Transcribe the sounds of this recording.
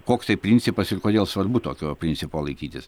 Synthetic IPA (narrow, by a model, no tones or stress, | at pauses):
koːkst̪ɐɪpʲɾʲɪnʲtsʲɪpɐsɪrkoːd̪ʲeːlˠsʋɐrbut̪oːkʲoːpʲɾʲɪnʲtsʲɪpoːlˠɐɪkʲiːt̪ʲɪs